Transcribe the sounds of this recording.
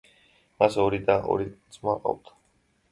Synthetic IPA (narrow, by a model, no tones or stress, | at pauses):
masɔɾid̪aʔɔ̰ɾizʼmaqʼa̰wt̪ʰḁ